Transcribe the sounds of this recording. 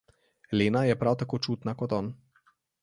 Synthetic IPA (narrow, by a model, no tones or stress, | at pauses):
leːnajɛpɾawt̪akoːt͡ʃuːt̪nakɔt̪ɔːn